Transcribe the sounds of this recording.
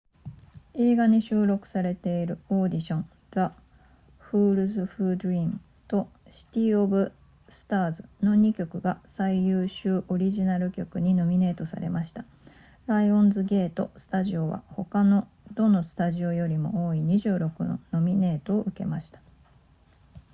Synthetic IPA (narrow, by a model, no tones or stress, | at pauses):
e̞ːɡaɲ̟iɕɨːɾo̞kɯ̟̥saɾe̞t̪e̞iɾɯ̟o̞ːd̪ʲiɕõ̞ŋ | ɡa | ɸɯːɾɯ̟zɨɸɯ̟ːd̪ɯ̟ɾʲin | t̪o̞ | ɕi̥t̪ʲiːobɯ̟ | sɨ̥t̪aːzɨno̞ɲ̟ikʲo̞kɯ̟ɡasaijɯːɕɨːʔo̞ɾʲiʑinaɾɯ̟kʲo̞kɯ̟ɲ̟ino̞mʲine̞ːt̪o̞sa̰ɾe̞̰mʔaɕi̥t̪a | ɾaiõ̞nzɨɡe̞ːt̪o̞̰sɨ̥t̪aʑio̞βa̰ho̞kano̞ | d̪o̞no̞sɨ̥t̪aʑio̞jo̞ɾʲimo̞̰o̞ːiɲ̟iʑɨːɾo̞kɯ̟̰no̰no̞mʲine̞ːt̪o̞ːʔɯ̟ke̞̰maɕi̥t̪ḁ